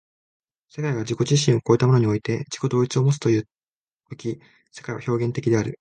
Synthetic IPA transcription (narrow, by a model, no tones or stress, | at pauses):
se̞kaiɡad͡ʑiko̞ʑiɕ̬ĩɰ̃o̞ko̞ːit̪amo̞noɲio̞it̪e̞d͡ʑi̥ko̞d̪o̞ːit͡sɨo̞mo̞t͡sɨ̥t̪o̞jɯ̟ː | okʲi | se̞kaiβa̰ço̞ːɡẽ̞nt̪e̞kʲid̪e̞aɾɯ̟